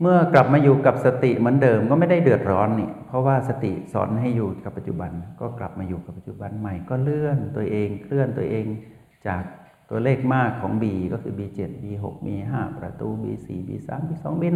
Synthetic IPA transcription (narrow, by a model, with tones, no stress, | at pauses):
mɯ˥˩əkla˨˩p̚maː˧juː˨˩ka˨˩p̚sa˧t̪i˨˩mɯ˩˦əndɤː˧mkɔː˥˩ma˥˩jda˥˩jdɯ˨˩ət̪̚ɾɔː˦˥nːi˧˩pʰɔ˦˧˥waː˥˩sa˧t̪ḭ˨˩sɔ̰ː˩˦nɦa˥˩jjuː˨˩ka˨˩pːa˨˧t̪̚t͡ɕṵ˨˩ba˧nkɔː˥˩kla̰˨˩p̚maː˧juː˨˩ka˨˩pːa˨˩t̪̚t͡ɕu˨˩ba˧nma˧˩jkɔː˥˩lɯ˥˩ənt̪u˧əʔeː˧ŋkʰlɯ˥˩ənt̪u˧əʔeː˧ŋ | t͡ɕaː˨˩k̚ | t̪u˧ɐleː˥˩k̚maː˥˩kʰːɔː˩˦ŋbiː˧kɔː˥˩kʰɯː˧biː˧t͡ɕe˨˩t̪̚biː˧ɦo̰˨˩k̚miː˧ɦaː˥˩pɾa̰˧t̪uː˧bḭː˧sḭː˨˩bḭː˧sa̰ː˩˦mbiː˧sɔ̰ː˩˦ŋbiː˧